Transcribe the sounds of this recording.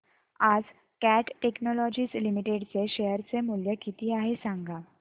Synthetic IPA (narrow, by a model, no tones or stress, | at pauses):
ad͡z | kæʈʈeknɔlɔd͡ʑiːslimiʈeɽt͡seɕejəɾt͡semuljəkit̪ʰiːaɦesãŋɡa